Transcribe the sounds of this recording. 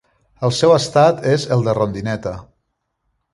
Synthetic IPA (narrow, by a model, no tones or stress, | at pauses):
əlˠsɛwəst̪at̪ezəlˠd̪ərond̪inɛt̪ə